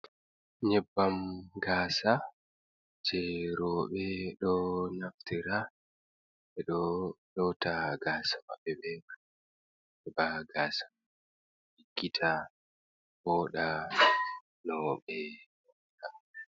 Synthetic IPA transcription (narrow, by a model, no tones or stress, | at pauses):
ɲɛbːamɡaːsa | d͡ʒɛɾɔɓɛɗɔnaftiɾa | ɓɛɗɔɗɔtaɡaːsawa̰ɓɛbɛma | ɛbaɡaːsḁ | hiɡːitʰa | bɔɗa | nɔːɓɛ | kaɛ